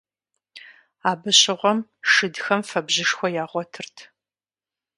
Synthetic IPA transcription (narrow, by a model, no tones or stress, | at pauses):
aːbɨɕɪʁʷɔmʂɨdxɐmfɐbʑɪʂxʷɔjaːʁʷɔtʰɨrtʰ